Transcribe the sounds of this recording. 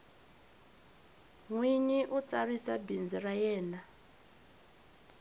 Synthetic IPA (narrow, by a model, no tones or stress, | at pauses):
ŋwiɲiʔut͡sarisabind͡zirajɛːna